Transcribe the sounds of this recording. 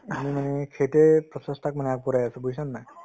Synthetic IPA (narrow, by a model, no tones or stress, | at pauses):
amimanɛkʰetepɹɔsɔstʰak̚manɛaɡ̚pɔɾajasubuisanːaj